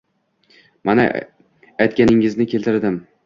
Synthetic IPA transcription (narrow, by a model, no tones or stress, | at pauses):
mana̰ | ajt̪̚kʲanɪŋɪznɪkʲʰe̞lt̪ʰɪɾd̪ɪm